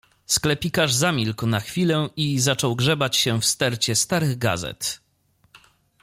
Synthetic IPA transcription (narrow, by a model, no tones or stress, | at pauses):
sklɛpʲikaʐzamʲilknaxfʲilɛizat͡ʂɔwɡʐɛbat͡ɕɕɛfst̪ɛɾt͡ɕɛst̪aɾɘɣɡa̰zɛ̰t̪